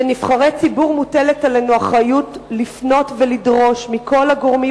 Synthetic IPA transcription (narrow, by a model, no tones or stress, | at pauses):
nifχaʁet͡sibuʁmuteletale̞nuaχajutlifno̞tvelidʁo̞ʃmikʰo̞laɡo̞ʁmi